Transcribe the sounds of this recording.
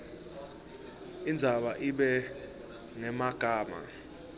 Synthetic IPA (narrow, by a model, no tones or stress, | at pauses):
ind͡zʱaɓaʔiɓɛ | ŋɛmaɡ̥ʱaːma̰